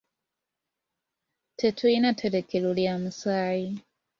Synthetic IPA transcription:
tʰetʰwinatʰeɾekeluljamusaːji

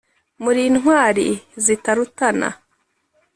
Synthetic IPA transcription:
muɾiːnɦwaːɾizitaɾutana̰

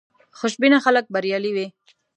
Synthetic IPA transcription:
xʊʃbinaxalək̚baɾjɑliwe

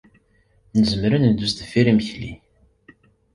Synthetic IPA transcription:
nəzəmɾænəd̪ust̪əfiɾimçlḭ

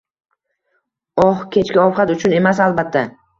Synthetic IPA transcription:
ɒhkʲʰe̞t͡ʃkʲaɒfqat̪ʊt͡ʃʰʊne̞masalˠbat̪ʰːa

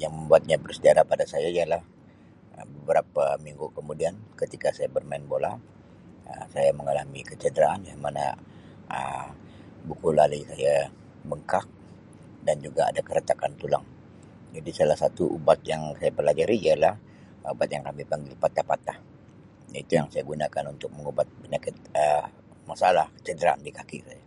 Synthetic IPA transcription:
jaŋməmbuat̪̚ɲabərsədiaɾahpadasajaijalah | ə̰bəbəɾapamiŋɡukəmudiankət̪ikasajabərmaɪnbola̰ | əmsajaməŋalamikət͡ʃədəɾaʔanjamana̰ | ə̰m | bukulalisaja | bəŋkak̚ | dand͡ʒuɡa̰ːdakəɾət̪akant̪ulaŋ | d͡ʒadisalahsat̪uʔubat̪̚jaŋsajabəlad͡ʒaɾialah | ubat̪̚jaŋkamipaŋɡɪlpat̪ahpat̪ah | jait̪ujaŋsajaɡunakanunt̪ʊk̚məŋubat̪̚bənakɪt̪̚ə | masalahkə̥t͡ʃədəɾaandikakisaja

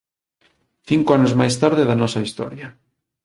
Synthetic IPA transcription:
θiŋkoanozmajs̬t̪aɾðɪðɐnɔsɐist̪ɔ̰ɾjɐ

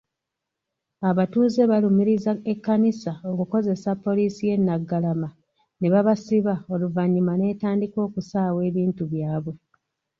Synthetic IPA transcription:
aβatuːze̞βalumiɾizaekːanisao̞kuko̞ze̞sapːo̞liːsije̞nːaɡːalama | ne̞βaβasiβao̞luvaɲːimane̞ːtaːndiko̞ːkusaːwe̞ːβiːntuβjaːβwe̞

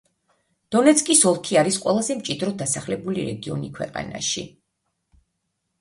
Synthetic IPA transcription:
d̪̥ɔnɛt̪sʰkʼisɔlˠkʰiaɾisqʼwɛlˠazɛmt͡ʃʼid̪ɾɔd̪asaχlɛbuliɾɛ̰ɡiɔ̰nikʰwɛ̰qʼa̰na̰ʃḭ

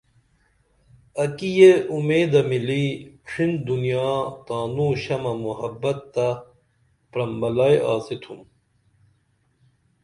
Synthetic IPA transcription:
ɐkijeumeːd̪ɐmiliːʈ͡ʂʰind̪unijaːt̪aːnuːɕɐmɐmuɦɐbːɐt̪ːɐ | pɾɐmbɐlajaːsit̪ʰum

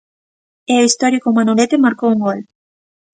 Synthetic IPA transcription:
eoist̪ɔɾikomanulet̪emaɾkouŋɡol

